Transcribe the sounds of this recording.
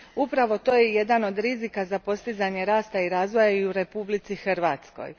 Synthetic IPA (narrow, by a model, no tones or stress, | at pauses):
upɾaʋo̞t̪o̞ːjeje̞d̪ano̞d̪ɾizikazapo̞st̪izaɲe̞ɾaːst̪aiɾaːzʋo̞jaiuɾe̞publit̪sixr̩ʋaːt̪sko̰j